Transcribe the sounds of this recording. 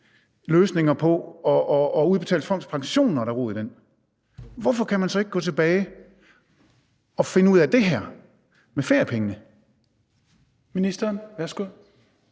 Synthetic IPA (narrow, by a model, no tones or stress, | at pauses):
løːsne̝ŋɐpʰɒ̽ɒːuð̞ˠb̥e̝t͡sʰɛ̰ːl̥fɒ̽m̰d̥spʰɑ̈ŋɕo̝̰ːnːɒɾɑ̈ʁṵːðˠd̥en̰ | ʋɒfɒ̽kʰæmænsɒ̽e̝ɡ̥̚ɡ̥ɔ̰ːt͡sʰe̝b̥ɛːɪ | ɒ̽fe̝nəuð̞̰ˠæd̥e̝ɦæɐ̰ | mefeɐjəpʰeŋənə | minisd̥ɐːnʋæɐsɡ̥uð̰ˠ